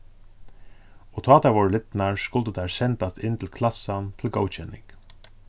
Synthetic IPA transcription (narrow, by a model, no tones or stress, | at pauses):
ɔt̪ʰɔɑːt̪ʰaʋɔːɹəlɪt̪naɹskʊlt̪ət̪ʰæɹsɛnt̪ast̪ɪnt̪ʰɪlkʰlasant̪ʰɪlɡoːwt͡ʃʰɛnːɪ̰ŋk